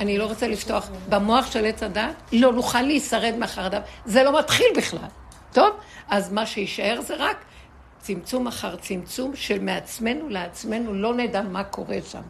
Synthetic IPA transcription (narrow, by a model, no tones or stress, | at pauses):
anilo̞ʁot͡selifto̞aχbamo̞aχʃe̞let͡sadatlo̞nuχaleisaʁe̞d̪meaχaʁad̪avze̞lo̞mat̪χilbiχla̰l | t̪ovʔazmaʃejiʃae̞ʁzeʁak | t͡simt͡sumaχaʁt͡simt͡sumʃelmeat͡sme̞nuleat͡sme̞nulo̞nedamakʰo̞ʁeʃa̰m